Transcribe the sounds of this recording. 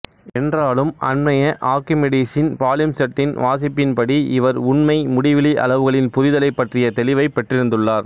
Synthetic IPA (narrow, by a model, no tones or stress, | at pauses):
ɛndraːlɯmɐ̰nmɐjɐʔaːɾkɪmɛɽiːsɪnpaːljɐmsɐʈːɪnʋaːs̬ɪpːɪnpɐɽiɪʋɐɾʊɳmɐɪmʊɽɪʋɪliʔɐ̰ɭɐʋɯɣɐɭɪnpʊɾɪðɐlɐɪpːɐʈrɪjɐt̪ɛlɪʋɐɪpːɐʈrɪɾɯnd̪ɯɭːaːɾ